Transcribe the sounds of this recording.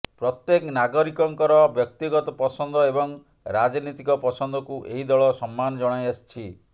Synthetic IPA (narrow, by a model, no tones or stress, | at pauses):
pɾɔt̪jeknaɡɔɾikɔŋkɔɾɔbjɔk̚t̪iɡɔt̪ɔpɔsɔnd̪ɔebɔŋ | ɾad͡ʒnit̪ikɔpɔsɔnd̪ɔkuʔeɦid̪ɔɭɔsɔmːanɔd͡ʒɔɽ̃ajast͡ʃʰi